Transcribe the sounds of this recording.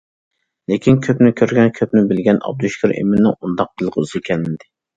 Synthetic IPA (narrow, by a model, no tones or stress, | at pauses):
lekʲʰinkʲʰøpnɪkʲʰøɾɡʲɛnkʲʰøpnɪbɪlɡʲɛnɑ̰b̚d̪yʃkʰʲyɾḛmɪnːɪŋund̪ɑq̚d̪ɨlˠqʰəyzɨkʲʰɛlmɪd̪ɪ